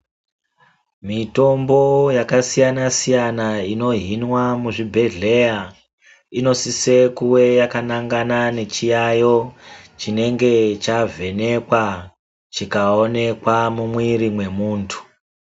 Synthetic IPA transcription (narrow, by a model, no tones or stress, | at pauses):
mito̞mbo̞jakasijanasijanaino̞ɦinwamuʐibʱe̞ɮe̞ja | ino̞sisekuwe̞jakanaŋɡanane̞t͡ʃijajo̞t͡ʃine̞ŋɡe̞t͡ʃavʱe̞ne̞kwa | t͡ʃikaone̞kwamumwiɾimwe̞muːntʰu̥